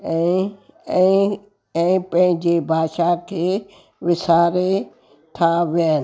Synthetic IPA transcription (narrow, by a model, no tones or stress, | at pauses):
ɛ̃ | ɛ̃ːpɐ̃ɦɪ̃ɲd͡ʑebʱaːʃakʰeː | ʋɪsaːɾe | t̪ʰaʋjãn